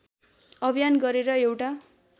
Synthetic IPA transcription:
ʌbʱijanɡʌɾeɾʌewʈa

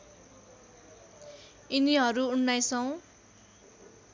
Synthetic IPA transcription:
iniɦʌɾuuɳːajsʰʌw̃

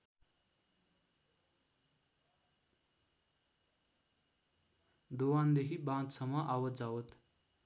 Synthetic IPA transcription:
d̪owand̪ekʰibãt̪sʌmʌʔawʌd͡zawʌt̪

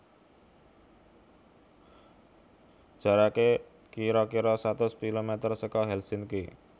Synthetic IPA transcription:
ʒ̥a̤ɾake | kiɾɔkiɾɔsat̪ʊskilomet̪ərsəkɔɦɛlsinki

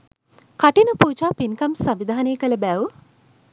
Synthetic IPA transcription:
kɐʈinupuːt͡ʃaːpinkɐmsɐmʋid̪ʱaːneːkɐlɐbæːwu

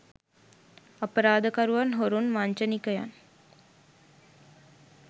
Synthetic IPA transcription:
ɐpːɐɾaːd̪ɐkɐɾuʋaːnɦoɾunmaːɲt͡ʃɐnikːɐja̰ːn

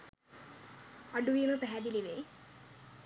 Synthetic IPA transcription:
aɖuʋiːməpæɦæd̪iliʋe

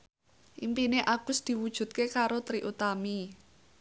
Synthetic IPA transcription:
ʔimpineʔaɡ̥ʊ̤sd̪̥i̤wud̥ʒ̥ṳt̪̚kekaɾot̪ɾiʔut̪ami

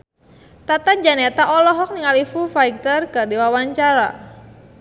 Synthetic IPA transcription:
t̪at̪ad͡ʒanɛt̪aʔɔlɔɦɔk̚niŋalifufaik̚t̪ərkɨrdiwawaɲt͡ʃaɾa̰

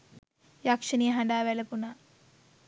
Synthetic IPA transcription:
jakʂənijəɦaɳɖaːʋæləpunaː

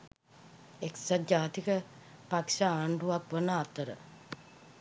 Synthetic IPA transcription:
eksad͡ʒaːt̪ikə | pakʂaaːɳɖuʋakʋənəat̪əɾə̰

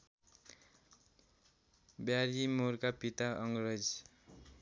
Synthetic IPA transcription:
bjaɾimorkapit̪aʌŋɡrʌd͡z

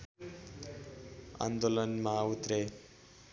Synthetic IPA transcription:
a̰nd̪olʌnmaut̪ɾe

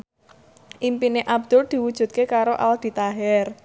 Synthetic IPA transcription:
ʔimpineʔab̚d̪̥ʊld̪̥i̤wud̥ʒ̥ṳt̪̚kekaɾoʔa̰ld̪̥i̤t̪aɦɛr

